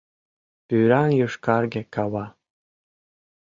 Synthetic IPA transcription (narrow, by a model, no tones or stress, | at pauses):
pyɾɑnjuʃkɑrɡʲĕkɑβɑ